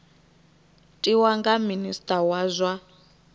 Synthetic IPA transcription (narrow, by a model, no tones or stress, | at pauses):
tʼiwaŋɡaministʼawazʷa